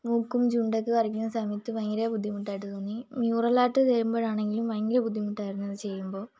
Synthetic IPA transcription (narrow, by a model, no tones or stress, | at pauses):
mukːumd͡ʑuɳɖekːɨkɐrik̬ʲːunːɐsɐmɐjɐt̪ːɨʋɐŋːiɾebud̪ʱːimuʈːaːjiʈːɨt̪onːimjuːrɐlaːʈːɨt̪eɾumboːɻaːɳe̞ŋɡilumʋɐŋːiɾebud̪ʱːimuʈːaːjɾunːɐðɨt͡ɕe̞jːumbo̞ː